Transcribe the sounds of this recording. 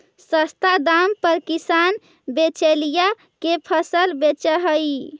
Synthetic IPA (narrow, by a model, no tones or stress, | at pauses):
səst̪ad̪ampəɾkisan | bet͡ʃelija | kepʰəsəlbet͡ʃəɦəj